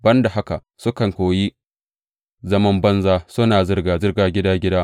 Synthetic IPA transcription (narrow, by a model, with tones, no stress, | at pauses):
bɐ˦nda˨ha˦ka˨ʔsʊ˦kɐ˨ŋkʷoː˨ji˦ | zɐ˦mɐ˦mbɐ˦nzaː˦sʊ˦naː˨zɪ˦rɡaː˨zɪ˦rɡaː˨ɡʲɪ˦daː˦ɡʲɪ˦daː˦